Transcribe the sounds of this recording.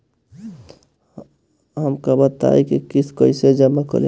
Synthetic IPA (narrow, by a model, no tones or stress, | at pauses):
ɦəmkabət̪a̰ikikiskəɪsed͡ʒəmakə̰ɾe